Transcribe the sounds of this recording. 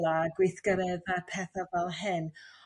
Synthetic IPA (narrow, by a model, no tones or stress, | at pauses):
lˠaɡwɪθɡ̥əɾɛðapʰɛθavɛlˠɦɪn